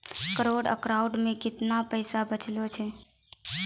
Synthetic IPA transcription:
kɾoɖə̰kɾaʊɖmẽkɪt̪napəɪsabət͡ʃlot͡ʃʰɛ

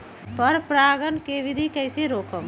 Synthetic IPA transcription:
pəɾpɾaːɡənkeʋɪd̪ʱikɛɪseɾoːkəm

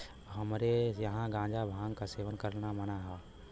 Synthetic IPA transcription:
ɦɐmɾejɐɦãɡãːd͡ʒabʱãːŋkaseːʋənkəɾnamənaɦɛː

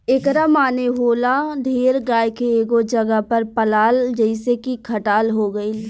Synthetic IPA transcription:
ekɾamaːneɦoːlad̪ʱeːɾɡaːjkeeːɡod͡ʒɐɡapɐɾpəlaːld͡ʒəɪsekikʰɐʈaːlɦoɡəi

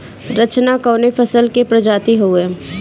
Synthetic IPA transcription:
ɾət͡ʃnakɔːnefʰəsəlkepɾɐd͡ʒaːt̪iɦoeː

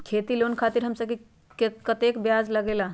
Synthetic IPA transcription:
kʰet̪ilonkʰat̪iɾɦəmsəb̚ke | kkət̪ekbjad͡ʒləɡela

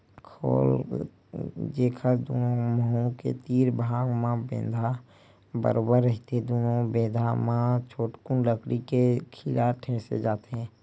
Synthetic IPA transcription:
kʰo̰ːl | d͡ʒeːkʰəɾd̪oːnoməɦũkḛt̪iːɾbʱaːɡmãbḛ̃ːnd̪ʱa | bə̰ɾoːbəɾːəɦt̪eɛ̃d̪oːnobẽːd̪ʱamãt͡ʃʰoːʈkʊnləkɽikekʰɪlaʈʰeːsḛd͡ʒaːt̪eɦɛ̃ː

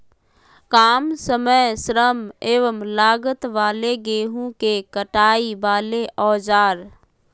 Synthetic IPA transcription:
kaːmsəməjsɾəmeːʋəmlaːɡət̪ʋaːleɡeːɦũkekəʈaːibaːleʔɔːd͡ʒaːɾ

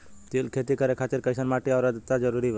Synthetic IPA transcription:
t̪ilkʰet̪ikəɾekʰat̪iɾkəɪsənmaʈiaɾəd̪t̪ad͡ʒəɾuɾi

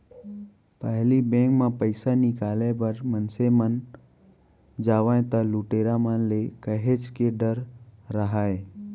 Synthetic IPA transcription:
pəɦlibẽːkmãpəɪsanɪkaːlebəɾmənsemən | d͡ʒaːʋaẽt̪aluʈeːɾamanlekəɦet͡ʃkeɖəɾːəɦaːe

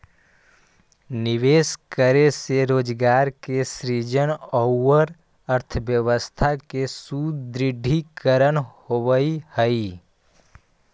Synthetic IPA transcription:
nɪʋeːskəɾeseɾoːd͡ʒɡaːɾkesɾid͡ʒənɔwəɾ | əɾt̪ʰəʋjəʋəst̪ʰakesud̪ɾɪɖʱikəɾənhoʋəihəi

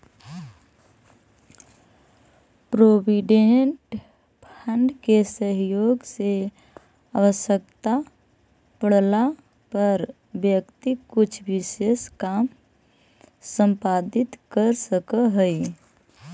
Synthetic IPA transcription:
pɾoːbiɖeɳʈ | pʰə̃ɳɖkesəɦjoːɡse | aʋəʃjəkt̪a | pəɽla | pəɾ | ʋjəkt̪ikːʊt͡ʃʰʋɪʃeːskaːm | sə̃mpaːd̪ɪt̪kəɾsəkəɦəi

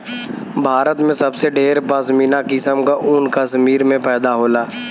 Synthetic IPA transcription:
bʱaːɾət̪mẽsɐbseɖeːɾpəsminakɪsəmkaʔʊnkɐsmiːɾmẽpɛːd̪aɦoːlaː

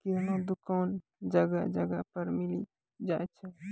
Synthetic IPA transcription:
kiɦnod̪ukaːn | d͡ʒəɡad͡ʒəɡapəɾmili | d͡ʒaɛt͡ʃʰɛ

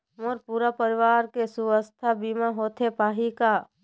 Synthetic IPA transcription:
moɾpuɾapəɾiʋaːɾkesuʋəst̪ʰabimãɦot̪ʰepaːɦika

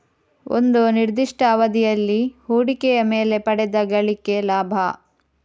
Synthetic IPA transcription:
o̰nd̪uniɾd̪iʂʈʰɐːʋɐd̪ijɐlːihuːɽikɛjɐme̞ːle̞pɐɽɛd̪ɐɡɐɭike̞laːbʱɐ̰

